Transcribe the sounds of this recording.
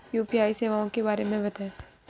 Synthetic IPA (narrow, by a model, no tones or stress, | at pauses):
juːpijaːiseːʋaːõkebaːɾemẽbɐt̪ɛː